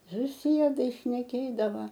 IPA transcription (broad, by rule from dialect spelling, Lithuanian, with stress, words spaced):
sʊˈsʲiɛdɐɪ ʃʲnʲɛˈkʲeːdɐʋɐ